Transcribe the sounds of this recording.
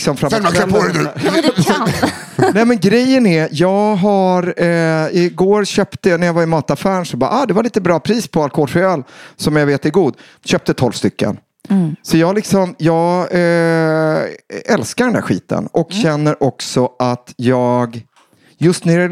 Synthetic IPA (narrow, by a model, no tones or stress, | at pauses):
ksɔmfɾaɛɛ | nɛmɛnɡɾɛjːənɛjɑːɡɦaɾɪɡoːɾɕøːpt̪ənæɾjavaɾɪmɑːt̪afæːɾɳʂɔbɑ̰ːʔɑːd̪ɛvaɾɭiːt̪əbɾɑːpʰɾiːspʰɔalkɔhoːlfɪɑːlsɔmjaveːt̪ɛɾɡuːd̪ | ɕøːp̚t̪ət̪ʰɔlv̥st̪ʏkːə̰n | sɔjɑːhalɪksɔmjɑːɡ | ɛlskaɾɖɛnd̪æ̰ɾɧḭːt̪ə̰nʔɔkɕɛnːəɾʔɔksɔʔat̪jɑːɡ | jɵst̪næɾɛ